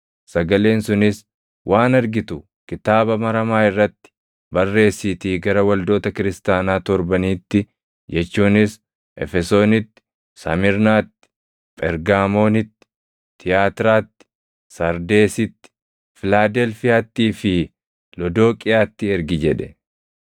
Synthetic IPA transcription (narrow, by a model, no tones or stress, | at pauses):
sɐɡɐle̞ːnsʊnɪs | wʔaːnɐɾɡɪt̪ʊ | kɪt̪aːbɐmɐɾɐmaːɪrːɐt̪ːɪ̥ | bɐrːe̞ːsːɪt̪iːɡɐɾɐwɐld̪o̞ːt̪ɐkɪɾɪst̪aːnaːt̪ɔɾbɐniːt̪ːɪ | jɛt͡ʃːuːnɪs | ʔɛ̰fɛso̞ːnɪt̪ːɪ̥ | sɐmɪɾnaːt̪ːɪ̥ | pʼɛɾɡaːmo̞ːnɪt̪ːɪ̥ | t̪ʰɪjaːt̪ɾaːt̪ːɪ̥ | sɐɾd̪e̞ːsɪt̪ːɪ̥ | fɪlaːd̪ɛlfɪjaːt̪ːiːfɪ | lɔd̪o̞ːkʼɪjaːt̪ːɪɛɾɡɪd͡ʒɛᶑɛ